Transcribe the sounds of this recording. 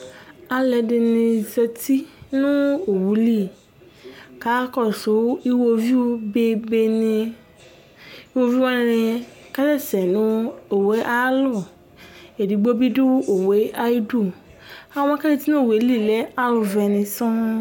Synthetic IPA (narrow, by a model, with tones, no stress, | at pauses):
a˨lɛ˨˧dɪ˧nĩ˧sɛ˧tʰi˦nũ˦o˨wu˨˦li˦˨ | ka˨˦kɔ˦˨sʊ˨˦i˦wo˧vi˦u˧be˧be˧nĩ˧ | i˦˧wo˧vi˦wɔ˦ñ˧ɾĩ˧ | ka˦dɛ˦˨sɛ˨nũ˦o˨we˨˦ʔa˦lɔ˦˨ | e˨di˨˧ɡ͡bo˦bi˦du˦o˨we˨˦a˦i˦du˦˨ | a˨wɔ̃˧˦ka˦di˧ti˦nũ˦˨we˨˦li˦˨lɛ˨˦a˦lu˧vɛ˧nĩ˧sɔ̃˦